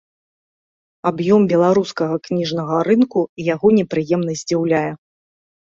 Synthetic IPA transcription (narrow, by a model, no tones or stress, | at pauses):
abjɔmbʲɛlˠaɾuskɐɣɐknʲiʐnɐɣɐɾɨnkujaɣɔnʲɛpɾɨjɛmnɐzʲd͡zʲiwlʲajɛ